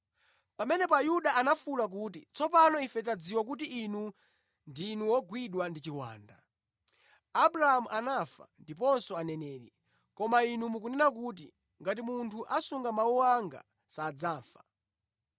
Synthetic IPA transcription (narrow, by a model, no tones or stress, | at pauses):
pamɛnɛpɔajuɗaʔanafulak̬utit͡sɔpanɔifɛtad͡ziwak̬utiːnu | ndinuwɔɡwiɗwandit͡ʃiwa̰ːnda | aɓuɾahamuʔanafa̰ndip̬ɔnsɔanɛnɛːɾḭ | kɔmainumukunɛnak̬ut̬i | ŋɡat̬imuntʰuʔasuŋɡamawuwaŋɡa̰ | saːd͡zaːɱfa